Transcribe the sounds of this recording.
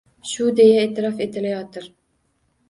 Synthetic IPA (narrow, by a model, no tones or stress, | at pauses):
ʃʊd̪ejɛet̪ʰɪɾɒfet̪ʰɪlajɒt̪ʰɪɾ